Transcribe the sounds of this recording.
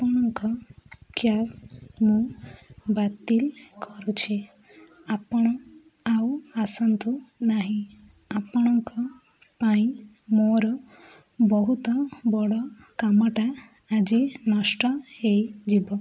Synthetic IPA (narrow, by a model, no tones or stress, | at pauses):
apɔɽ̃ɔŋkɔkjaɾmũ | bat̪ilkʰɔɾut͡ʃʰi | apɔɽ̃ɔ | awasɔnt̪unaɦĩ | apɔɽ̃ɔŋkɔ | paĩ | moɾɔ | bɔɦut̪ɔbɔɽɔ | kamɔʈaː | d͡ʒinɔsʈɔhejd͡ʒibɔ